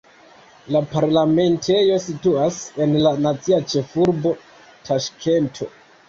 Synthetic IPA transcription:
lapaɾlame̞ntʰe̞jo̞situase̞nlanat͡siat͡ʃe̞fuɾbo̞ | tʰaʃkʰe̞ntʰo̞̰

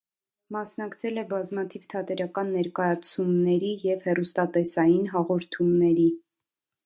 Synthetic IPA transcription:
mɑsnɑkt͡sʰɛlɛbɑzmɑt̪ʰivt̪ʰɑt̪ɛɾɑkɑnːɛɾkɑjɑt͡sʰumnɛɾijɛvhɛrust̪ɑt̪ɛsɑjinɦɑʁɔɾt̪ʰumnɛɾi

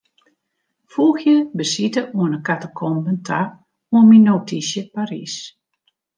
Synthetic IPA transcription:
fuːxjəbəsitəuənəkatəkʰɔmbəntʰa | uənminowtʰisjəpaɾḭs

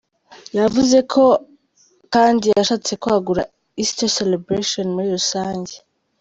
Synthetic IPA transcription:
javuze̞kʰo̞ | kaːndijaʃaːt͡se̞koaɡuɾa̰ | istaselebɾeʃonmuɾiɾusaːɲɟe

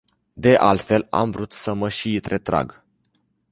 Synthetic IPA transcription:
d̪e̞ʔalt̪fe̞la̰mvɾut̪səməʃiːt̪ɾet̪ɾa̰ɡ

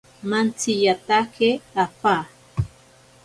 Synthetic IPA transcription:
mant͡sijat̪akeapa

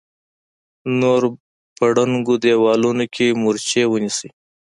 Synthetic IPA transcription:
noɾ | pəɽaŋɡod̪ewɑlunokʲʰemuɾt͡ʃewənisi

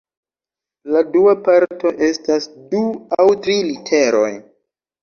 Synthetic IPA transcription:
laduapaɾto̞ʔe̞stasduawtɾilitʰe̞ɾo̞̰j

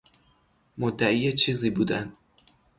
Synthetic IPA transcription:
mod̪ːæʔiːjet͡ʃʰiːziːbuːd̪ænd̪

